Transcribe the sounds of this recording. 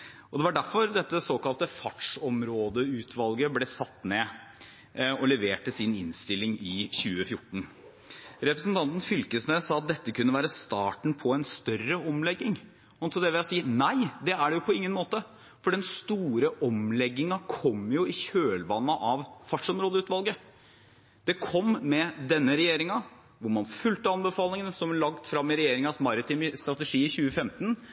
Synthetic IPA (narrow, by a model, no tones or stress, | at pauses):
ʔɔd̪ɛʋɑɖæɾfɔɾd̪ɛt̪ːəsoːkɑlt̪əfɑʈʂɔmɾoːd̪əʉːt̪ʰʋɑlɡəblɛsɑt̪ːneː | ɔlɛʋeːʈəsɪnɪ̰nst̪ɪlːɪŋɪçʉːəfjʊʈːɳ̩ | ɾɛpɾəsnt̪ɑnt̪n̩fʏlkəsneːsɑːɑt̪̚d̪ɛt̪ːəkʉnːəʋæːɾəst̪ɑːʈɳ̩pʰɔɛnst̪œrəɔmlɛɡːɪŋ | ɔnt̪ɔd̪ɛʋɪæsiːnæɪd̪ɛæɖɛjʊpʰɔɪŋːənmoːt̪ə | fɔɖɛnst̪uːɾəʔɔmlɛɡːɪŋɑkʰɔmːjʊɪçøːlʋɑnːɑʔɑʋfɑʂɔmɾoːd̪əʉːt̪ʋɑlɡə | d̪̥ɛkʰɔmmɛd̪ɛnːəɾɛjeːɾɪŋɑ | ʋʊɾmɑnfʉlt̪əɑnbəfɑːlɪŋənsɔmlɑɡt̪fɾɑmːɪɾɛjeːɾɪŋɑsmɑɾɪt̪iːməst̪ɾɑt̪ɛʂiːɪçʉːəfɛmt̪n